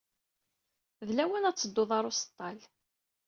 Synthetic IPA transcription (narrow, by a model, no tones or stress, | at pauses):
ðlæwænæt͡sːəd̪ːʊðˤɑɾˤʊst̪ˤːɑl